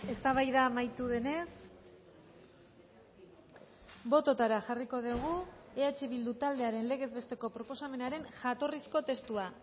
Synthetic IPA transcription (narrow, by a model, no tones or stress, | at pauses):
e̞st̪aβ̞ajðamajt̪uðe̞ne̞s | bo̞t̪o̞t̪aɾaʝariko̞ðiɣ̞ue̞at͡ʃeβild̪ut̪ald̪e̞aɾe̞nle̞ɣ̞e̞zβe̞st̪e̞ko̞pɾo̞po̞same̞naɾe̞nʝat̪o̞risko̞t̪e̞st̪ua